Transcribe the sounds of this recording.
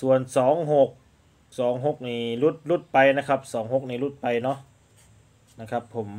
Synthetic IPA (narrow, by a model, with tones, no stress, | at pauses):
su˨˩ənsɔː˩˦ŋɦo˧˥˩k̚ | sɔː˩˦ŋɦo˧˥k̚niː˧˩lu˦˥˩t̪̚lu˦˥˩t̪̚pa˧jna˦˥kʰa˦˥p̚sɔː˩˦ŋɦo˧˥k̚niː˧˩lu˧˥˩t̪̚pa˧jnɔ˦˥ʔ | na˧˩kʰa˦˥pʰːo˩˦m